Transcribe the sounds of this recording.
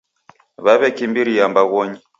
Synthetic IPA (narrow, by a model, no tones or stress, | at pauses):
βaβɛkimbiɾijambaɣɔɲi